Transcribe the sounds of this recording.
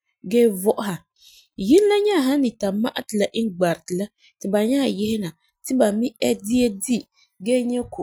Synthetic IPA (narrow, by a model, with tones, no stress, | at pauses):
ɡɛː˦vɔ˦ʔʊ˦ɦa˨ | ji˦n˦la˦ɲa˦˨ɦa˦nɪ˨ta˨ma̰˦ʔa˦tɪ˨la˨ʔɪ˦ŋɡ͡ba˨ɾɪ˨tɪ˨la˦ | tɪ˨ba˨ɲa˦˨jɪ˦hɪ˦na˨ | tɪ˦ba˨mi˦ɛ˦di˦e˦di˦ | ɡɛː˦ɲɛ˦kʰo˨